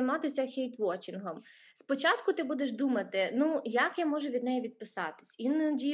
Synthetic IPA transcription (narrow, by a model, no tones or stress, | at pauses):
jmɑt̪ɪsʲɐxʲɛjt̪ʋɔt͡ʃʲinɦɔm | spɔt͡ʃɑt̪kʊt̪ɪbud̪eʃd̪umɐt̪ɪnujɐkjamɔʒʊʋʲid̪nɛjɛʋʲid̪̚pɪsɑt̪ɪ̥sʲindʲi